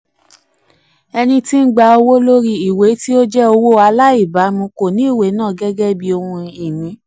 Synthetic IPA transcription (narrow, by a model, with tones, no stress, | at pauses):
ɛ˧nĩ˧ti˦n̩˦ɡ͡ba˧o˧wo˦lo˦ɾi˧i˨we˨˦ti˦o˦d͡ʒɛ˦o˧wo˦a˧la˦i˦˨ba˨˦mũ˧˦ko˨nĩ˨˦i˦˨we˨˦nãː˦˨ɡɛ˦ɡɛ˦bi˧o˧hũ˧i˨mĩ˨˦